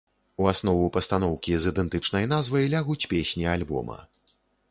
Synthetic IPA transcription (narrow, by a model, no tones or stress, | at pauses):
uasnɔvupɐst̪anɔwkʲizɨd̪ɛnt̪ɨt͡ʂn̪ɐjnazvɐjlʲaɣut͡sʲpʲesʲnʲialʲbɔ̰mɐ̰